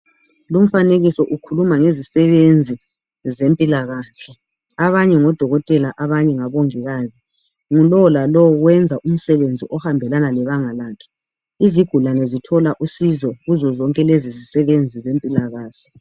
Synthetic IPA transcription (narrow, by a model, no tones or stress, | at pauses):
lum̩faneɣisɔʔukʰulumaŋezisɛβend͡zʱi | zempʼilaɣaːɬɛ | aβaɲɛŋɔd̥ʱɔɣɔtʼɛlaʔaβaɲɛŋaβoŋiɣaːzi | ŋulɔwɔlalɔwɔɣwɛnd͡zʱaʔum̩sɛβend͡zʱiʔɔhambʱɛlanalɛβaŋalaːkʰɛ̥ | iziɡ̥ʱulanɛzitʰɔlaʔusizɔɣuzɔzɔŋkʼɛlezizisɛβend͡zʱizempʼilaɣaːɬɛ̥